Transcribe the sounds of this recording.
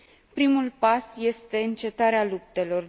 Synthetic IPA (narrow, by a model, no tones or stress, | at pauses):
pɾimulpasje̞st̪e̞ɨnt͡ʃe̞t̪aɾealup̚t̪e̞lo̞r